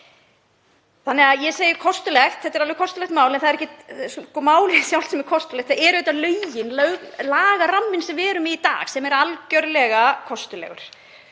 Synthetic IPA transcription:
θanːɛɣaðjɛseːjʏɾkʰɔst̪ʏlɛxt̪θɛt̪ːɛɾalvɪkʰɔst̪ʏlɛxt̪maːwlɛnθaðɾɛcːɪskɔmaːwlɪsjawlsɛmɛɾ̥kʰɔst̪ʏlɛkt̪θaɛɾœjt̪ːalœːɥjɪnlœɣlaːɣaramːɪnsɛmvɛːɾʏmɪit̪a̰ːxsɛmɛɾalcœɾlɛɣakʰɔst̪ʏlɛ̰ɣʏ̰ɾ̥

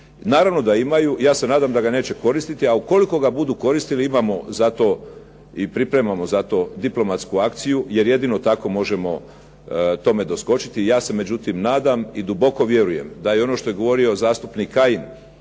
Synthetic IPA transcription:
naːɾaʋno̞d̪aimajujaːse̞naːd̪amd̪aɡane̞ːt͡ɕe̞ko̞ɾist̪it̪iauko̞liko̞ɡabud̪uko̞ɾist̪iliimamo̞zat̪o̞ | ipɾipɾe̞mamo̞zat̪o̞d̪iplˠo̞mat̪skuakt̪sijuje̞ɾje̞d̪ino̞t̪ako̞mo̞ʒe̞mo̞̰ | t̪o̞me̞d̪o̞sko̞t͡ʃit̪ijaːse̞me̞d͡ʑut̪imnaːd̪amid̪ubo̞ko̞ʋje̞ɾuje̞̰md̪ajeo̞no̞ʃt̪o̞jeɡo̞ʋo̞ɾio̞zaːst̪upnikːajin

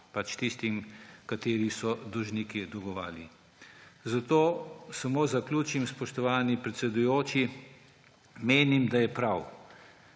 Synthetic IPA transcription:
pat͡ʃt̪ist̪imkat̪eːɾisɔd̪ɔʒnikid̪ɔɡɔʋa̰ːli | zat̪oːsamoːzaklʲuːt͡ʃimspɔʃt̪ɔʋaːnipɾɛt̪sɛd̪ujoːt͡ʃi | meːnimd̪ajɛpɾaw

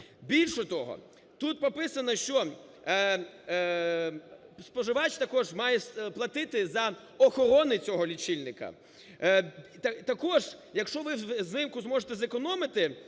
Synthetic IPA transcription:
bʲilʲʃɔt̪ɔɦɔ̰ | t̪ut̪̚pɔpɪsɐnɐʃt͡ʃɔ | spɔʒɪʋɑt͡ʃt̪ɐkɔʒmɑjɛplˠɐt̪ɪt̪ɪzɐ | ɔxɔɾɔnɪt͡sʲɔɦɔlʲit͡ʃilʲnɪkɐ̰ | t̪ɐt̪ɐkɔʒjɐkʃt͡ʃɔʋɪznɪmkʊzmɔʒet̪ɛzekɔnɔmɪt̪ɪ

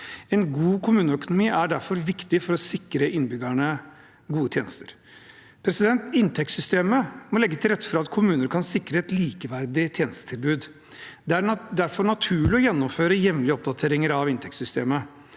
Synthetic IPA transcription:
ɛnɡuːkʰʊmʉːnəœkʊnʊmiːʔæɖæɾfɔɾʋɪkt̪ɪfɔɾɔsɪkɾəʔɪnbʏɡæɳə | ɡuːət̪ʰjeːnəst̪əɾ | pʰɾɛsɪd̪ɛnt̪ɪnt̪ʰɛk̚t̪sʏst̪eːməmɔlɛɡːət̪ʰɪlɾɛt̪ːə̥fɾɑɑt̪kʰʊmʉːnəɾkʰɑnsɪkɾəɛt̪liːkəʋæɾd̪ɪt̪ʰjeːnəst̪ə̥t̪ʰɪlbʉːd̪ | d̪ɛæɾd̪æɾfɔɳɑt̪ʰʉːɭɪɔjɛnːʊmføːɾəjɛʋlɪəɔp̚d̪ɑt̪ʰeːɾɪŋəɾɑʋɪnt̪ʰɛkt̪sʏst̪ḛːmə

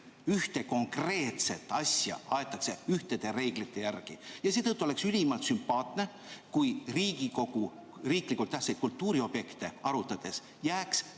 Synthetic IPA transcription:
yht̪e̞ko̞ŋkre̞ːt̪set̪ːˑɑsʲjɑ̰ɑet̪ːˑɑkse̞yht̪e̞d̪̥e̞ɾe̞ːɡ̥lit̪ːe̞jærɡ̥ijɑse̞ːt̪ɤt̪ˑːuoe̞ksylʲimɑlt̪sympɑːt̪ne̞ | kujriːɡiko̞ɡu | riːklikːˑult̪ːæh̪sejd̪̥̚kult̪ːuːɾio̞b̥je̞kt̪e̞ɑɾut̪ːˑɑd̪̥e̞s | jæːks

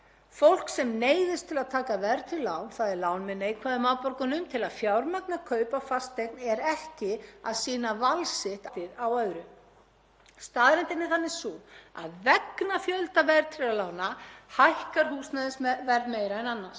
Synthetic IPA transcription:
fowl̥ksɛmneːjðɪst̪ʰɪlaðt̪ʰaːkavɛɾt̪ʰɪlːaːwnθaðɛɾlaːwnmɪnːaijkʰaːðʏmaːwpɔɾkʏnʏmt̪ʰɪlaðfjawɾmak̚nakʰœːɥpafast̪ejknɛɾɛhcɪa̰ðsiːnavalsɪht̪t̪ɪɾawœðɾʏ | st̪aːðɾɛnt̪ɪnɪθanːɪsuːa̰ðvɛknafjœlt̪avɛɾt̪ʰɪlalaːwnahajhkaɾ̥huːsnaðɪsvɛɾðmeːjɾaɛnanːas

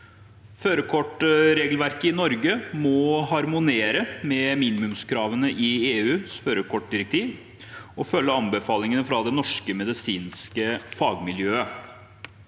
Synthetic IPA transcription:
føːɾəkʰɔʈɾeːɡəlʋæɾkəɪnɔɾɡəmɔhɑɾmʊneːɾəmɛmiːnɪmʉmskʰɾɑːʋənəʔɪeːʉːsføːɾəkʰɔʈ̚ːd̪ɪɾɛk̚t̪ʰiːʋ | ɔfœlːəɑmbəfɑːlɪŋənəfɾɑd̪ɛnɔʂkəmɛd̪ɪsiːnskəfɑːɡmɪljøːə

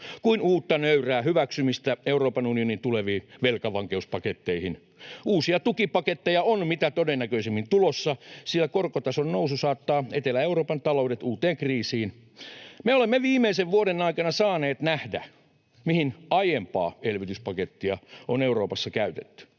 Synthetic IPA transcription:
kuinuːt̪ːɑnøyræːhyʋæksymist̪æeuroːpɑnunionint̪uleʋiːʋelkɑʋɑŋkeuspɑket̪ːeihin | uːsiɑt̪ukipɑket̪ːejɑonmit̪æt̪odenːækøisemːint̪ulosːɑsilːækorkot̪ɑsonnoususɑːt̪ːɑːet̪elːæeuroːpɑnt̪ɑloudet̪uːt̪eːŋkriːsiːn | meolemːeʋiːmːˑeiseʋʋuoɾenɑikɑnɑsɑːneːt̪næhdæ̰ | mihinɑjempɑ̰ːelʋit̪yspɑket̪ːiɑoneuroːpɑsːɑkæyt̪et̪ːy̥

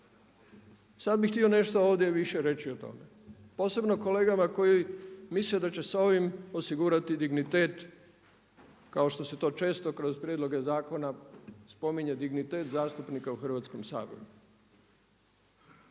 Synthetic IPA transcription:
sad̪̚bixt̪io̞ne̞ʃt̪ooːʋd̪ʲje̞ʋiʃe̞ɾe̞t͡ɕiot̪o̞̰me̞ | po̞ːse̞bno̞ko̞le̞ːɡamako̞jimisled̪at͡ɕe̞sao̞ʋimo̞siɡuːɾat̪id̪iɡnit̪e̞ːt̪ | kao̞ʃt̪o̞se̞t̪o̞ːt͡ʃe̞ːst̪o̞kɾo̞zpɾje̞d̪lo̞ɡe̞zaːko̞naspo̞miɲe̞d̪iɡnit̪e̞ːt̪zaːst̪upnikauxr̩ʋaːt̪sko̞msa̰ːʋḛɾu

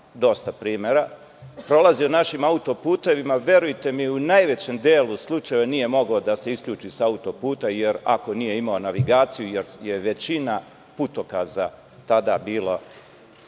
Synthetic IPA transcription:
d̪o̞st̪apɾiːme̞ɾa | pɾo̞lˠazio̞naʃimaut̪o̞puːt̪e̞ʋimaʋje̞ɾujt̪e̞miunajʋe̞t͡ɕe̞md̪eːluslˠut͡ʃaje̞ʋenije̞mo̞ɡod̪ase̞iskʎʲuːt͡ʃisaut̪o̞puːt̪aje̞ɾa̰ko̞nije̞imao̞naʋiɡaːt̪sijuje̞ɾje̞ʋe̞t͡ɕina | put̪o̞kaza | t̪ad̪abiːlˠa

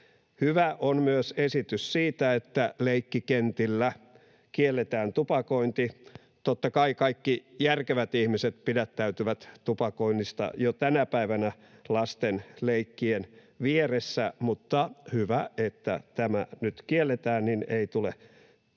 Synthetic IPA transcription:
hyʋæʔonmyøsesit̪yssiːt̪æet̪ːæleikːikent̪ilːæ | kielːet̪æːnt̪upɑkoint̪i | t̪ot̪ːɑkɑikɑikːijærkeʋæt̪ihmiset̪pidæt̪ːæyt̪yʋæt̪t̪upɑkoinːist̪ɑ̰jot̪ænæpæiʋænæ | lɑst̪enleikːien | ʋieresːæmut̪ːɑhyʋæet̪ːæ̰t̪æmænyt̪kielːet̪æːnnineit̪ule

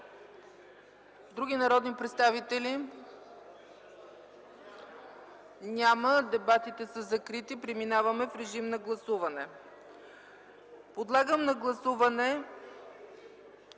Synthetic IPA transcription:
vd̪ɾuɡʲinɐɾɔd̪nipɾɛt̪st̪avit̪ɛli | nʲaməd̪ɛbat̪it̪ɛsəzɐkɾit̪ipɾɛminavɐmɛfɾɛʒimnɐɡlˠɐsuvɐnɛ | pod̪lˠaɡəmnɐɡlˠɐsuvɐnɛ

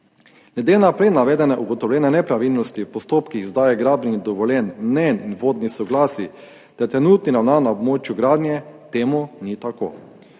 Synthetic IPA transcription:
nɛd̪eːlnapɾet̪naʋɛːd̪ɛnɛʔuɡɔt̪ɔwlʲjɛːnɛnɛpɾaʋilnɔst̪ipɔst̪oːpkixzd̪aːjɛɡɾaːbnid̪ɔʋɔlʲjɛnmnɛninʋoːd̪nisɔɡlaːsi | d̪̥at̪ɾɛnuːt̪ninawnanaɔbmoːt͡ʃjuɡɾaːd̪nʲjɛt̪eːmunit̪ako̰ː

